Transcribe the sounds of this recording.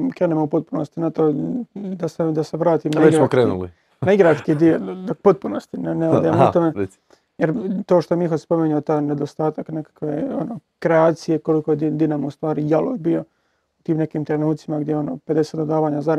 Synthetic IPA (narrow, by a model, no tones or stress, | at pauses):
kɾeːnemoupo̞t̪̚punost̪inat̪oːd̪ased̪aseʋɾaːt̪iːmnaeɡsmokɾeːnṵlḭ | naiɡɾaskid̪iopot̪̚punost̪inneod̪ajamut̪ome | jeɾt̪oːʃt̪omixospo̞miɲuot̪aːjned̪ost̪aːt̪akne̞kḁkʋeonokɾeaːt̪sije̞ko̞likojed̪id̪inamust̪ʋaːɾijalo̰jbijo̞ | ut̪iːmne̞kiːmt̪ɾenuːt̪simaɡd̪jeo̞noːped̪e̞se̞ːt̪od̪aːʋaːɲazaɾ